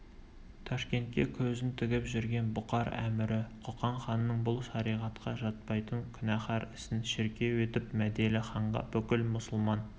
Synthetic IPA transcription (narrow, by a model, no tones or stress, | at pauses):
t̪ʰɑʃkʲe̞nt̪̚kʲekʲʰɵzɪnt̪ʰɪɡʲɪpʒɪɾɡʲenbʊqɑɾæ̰mɪɾɪqʰoqɑɴχɑnːəɴbʊlˠʃɑɾijʁɑt̪qʰɑʒɑt̪̚pɑjt̪əŋkʲʰʏnæχɑɾɪsɪnʃɪɾkʲe̞wɵt̪ɪpmæd̪elɪχɑɴʁɑ̰bɵkʲɪlmʊsʊlˠmɑn